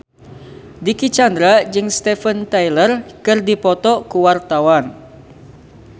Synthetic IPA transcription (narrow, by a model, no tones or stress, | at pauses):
dikit͡ʃand̪ɾad͡ʒɨŋst̪ɛfənt̪ajlərkɨrdipɔt̪ɔkuwart̪awan